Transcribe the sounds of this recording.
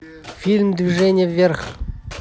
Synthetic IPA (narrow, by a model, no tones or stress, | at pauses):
fʲilʲmd̪vʲiʐɛnʲɪjəvʲerχ